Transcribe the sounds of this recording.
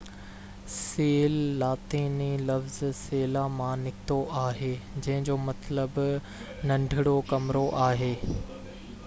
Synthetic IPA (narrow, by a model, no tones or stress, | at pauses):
seːlːaːt̪iːnilɐfzseːlamãnɪkt̪oʔaːɦeːd͡ʑɐ̃ɦɪ̃ɲd͡ʑoːmɐt̪ləb | nɐ̃ɳɖʱɪɽokɐmɾoʔaːɦeː